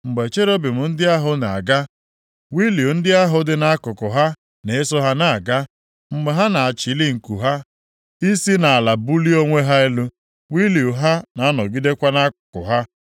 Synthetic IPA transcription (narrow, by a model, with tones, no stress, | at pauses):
ŋ͡m̩˨ɡ͡be˨t͡ʃe˦ɾo˦bi˨mʊ˨n̩˦dɪ˦a˦ɦʊ˦na˨a̰˨ɡa˦ | wi˦li˨u˨n̩˦dɪ˦a˦ɦʊ˦dɪ˦na˦a˦kʊ˨kʊ˨ɦa˦ | ne˨e˦sɔ˦ɦa˦na˨ɡa˦ | ŋ͡m̩˦ɡ͡be˨ɦa˦na˨a˨t͡ʃi˨˦li˦ŋ̩˨ku˨ɦa˦ | i˦si˦na˨a˨la˨bu˦li˦o˦ŋʷe˦ɦa˦e˦lu˦ | wi˦li˨u˨ɦa˦na˨˦nɔ˨ɡi˦de˦kʷa˦na˦kʊ˨kʊ̰˨ɦa˦